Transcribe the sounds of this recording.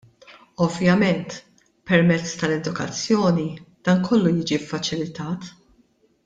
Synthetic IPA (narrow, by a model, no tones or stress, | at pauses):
ɔvjɐmɛnt̪ | pɛɾmɛt͡sːt̪ɐlɛd̪ʊkɐ̰t͡sːjɔːnid̪̥ɐːnkʰɔlːujiːd͡ʒifːɐt͡ʃɪlɪt̪ɐːt̪